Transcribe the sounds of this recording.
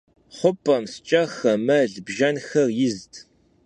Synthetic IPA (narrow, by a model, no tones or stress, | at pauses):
χʷʊpʼɐmst͡ʃʼɐxɐmɐɮbʒɐnxɐrjɪztʰ